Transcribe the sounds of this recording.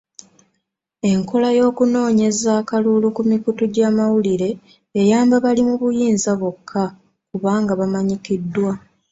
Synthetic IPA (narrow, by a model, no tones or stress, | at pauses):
e̞ŋko̞lajo̞ːkuno̞ːɲe̞zaːkalulukumikutuɟaːmawuliɾe̞ː | jaːmbaβalimuβujiːnzaβokʰːa | kuβaːŋɡaβamaɲikidːwa